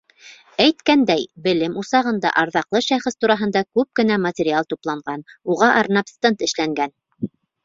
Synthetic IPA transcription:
æjt̪kænd̪æjbɘ̆lɘmusɑʁɤ̆nd̪ɑ̰ʔɑɾðɑqlˠɤʃæχɘst̪uɾɑɦɤ̆nd̪ɑkʉp̚kɘ̆næmɐtʲɪɾʲɪalˠt̪uplˠɑɴɢɑnuʁɑʔɑɾnɑpst̪ɤnt̪ɘ̆ʃlæŋɡæn

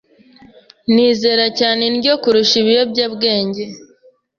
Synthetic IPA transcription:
niːze̞ːɾacaːne̞nɟo̞kuɾuʃiβijo̞bɟaːbɡe̞ːɲɟe̞

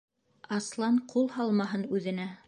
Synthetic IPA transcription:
ɑslˠɑɴqʰulˠhɑlˠmɑɦɤnʉðɘ̆næ

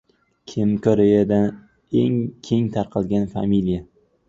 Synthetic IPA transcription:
kʲʰemkʰoɾejad̪an | e̞ŋkʲʰe̞ŋt̪ʰaɾqʰɑlˠɡʲanfa̰milija

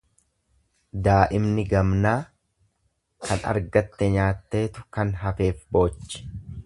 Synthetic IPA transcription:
d̪aːʔɪmnɪɡɐmnaː | kʰɐnɐ̰ɾɡɐt̪ːɛɲaːt̪ːe̞ːt̪ʊ̥kɐnɦɐfe̞ːfbo̞ːt͡ʃːɪ̥

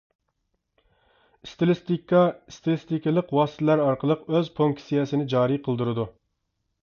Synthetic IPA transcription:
st̪lst̪kɑst̪ɪlˠɪst̪ikʲɪlˠəqwɑːst̪ʰɛlæɾɑɾqəlˠəqøzpʰuŋksijɛsɪnɪd͡ʒɑːɾiqʰəlˠd̪uɾɨd̪u

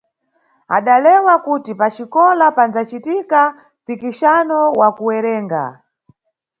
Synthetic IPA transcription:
a̰ɗalɛwakutipat͡ʃikɔlapand͡zat͡ʃitika | pikiʃanɔwakuwɛɾɛːŋɡa̰

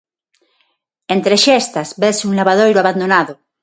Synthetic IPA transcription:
ẽnt̪ɾeʃest̪azbesunlaβaðojɾoaβand̪onaðo

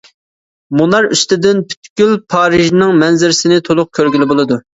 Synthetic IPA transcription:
munɑɾyst̪ɪd̪ɪnpʰy̥t̪kʲylpʰɑːɾɪʒnɪŋmɛnzɪɾɪsɪnɪt̪ʰolˠʊq̚kʲʰøɾɡʲilɪbolˠɨd̪u

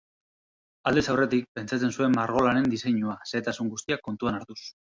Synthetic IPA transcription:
ald̪esawre̞t̪ik̚pe̞nt͡sat͡se̞nsue̞mmaɾɣ̞o̞lane̞nd̪ise̞ɲuase̞ːt̪asuŋɡust̪iakːo̞nt̪uanaɾt̪us

